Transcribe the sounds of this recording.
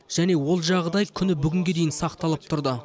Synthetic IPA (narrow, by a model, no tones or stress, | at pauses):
ʒ̥æne̞wo̞lˠʒɑʁd̪ɑjkʲʰʏnɪbʏɡʲɪŋɡʲe̞d̪e̞jɪnsɑqt̪ɑlˠəp̚t̪ʰʊɾd̪ə